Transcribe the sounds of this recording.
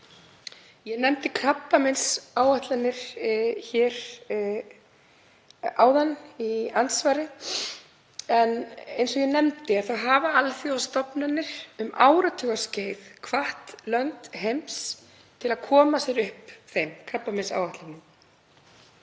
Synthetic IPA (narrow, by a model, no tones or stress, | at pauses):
jɛnɛmt̪ɪkʰɾapːamɪnsaːwaht̪lanːɪɾ̥çɛːɾ̥ | a̰ːwðaniant̪svaːɾɪ | ɛnejnsɔɣjɛnɛmt̪ɪaðθawɦaːvaalθjiawst̪ɔpnanːɪɾ̥ʏma̰ːwɾat̪ʰʏɣḁsceːjðkʰvaht̪lœnt̪ɦejms | t̪ʰɪlaðkʰɔːmasɛɾʏhpθejmkʰapːamɪnsa̰ːwaht̪lanːɪm